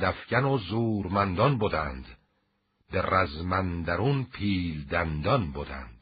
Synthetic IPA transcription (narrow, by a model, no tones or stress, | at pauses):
d̪æfcænozuːɾmænd̪ɒnbod̪ænd̪ | beræzmænd̪æɾunpʰiːld̪ænd̪ɒnbod̪æ̰nd̪̥